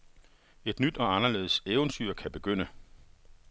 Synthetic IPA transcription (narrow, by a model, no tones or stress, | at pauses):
e̝d̥nyd̥ɒ̽ɑ̈nɐle̝̰ːð̩ˠəseʊnt͡sʰyɐ̰kʰæb̥e̝ɡ̥øn̰ə